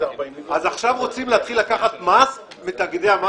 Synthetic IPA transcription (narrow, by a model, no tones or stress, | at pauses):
azaχʃavʁo̞t͡simleat̪χilːakaχat̪mas | mit̪aɡid̪eama